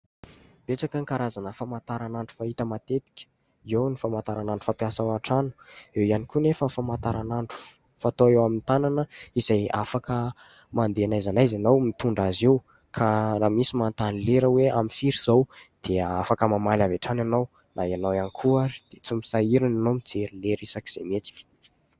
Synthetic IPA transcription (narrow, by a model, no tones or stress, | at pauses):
b̥eʈ͡ʂakəŋkaɾazanəfamat̪aɾanaɳɖ͡ʐu̥faɦit̪əmat̪et̪i̥kʲə̥ | iewnifamant̪aɾanaɳɖ͡ʐu̥fapjasawaʈ͡ʂanu̥ewianikunefəfamant̪aɾanaɳɖ͡ʐu̥ | fat̪oewamint̪ananəiz̥aja̰fakə | mand̪eanajzanajzanawmit̪uɳɖ͡ʐazew | kʰaɾaːmisimant̪anileɾəweamifiɾiz̥owd̪̥eafakəmamalaveʈ͡ʂananaw | nʔaeanawanikʰuaɾi̥d̪̥et͡simisaiɾinanomid͡zeɾileɾisaki̥z̥emet͡si̥kʲə̥